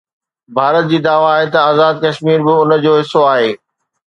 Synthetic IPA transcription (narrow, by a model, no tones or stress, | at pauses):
bʱaːɾət̪̚d͡ʑiːd̪aːʋaːɦet̪ɐaːzaːd̪̚kɐʃmiːɾbɪʊnə̆d͡ʑoːɦɪsːoaːɦeː